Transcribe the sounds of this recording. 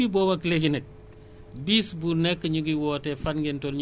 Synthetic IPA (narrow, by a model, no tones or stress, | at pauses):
iboːmɐkleɡinek̚ | bisbunɛkːəɲuɡiwɔːtɛfanɡentonɲ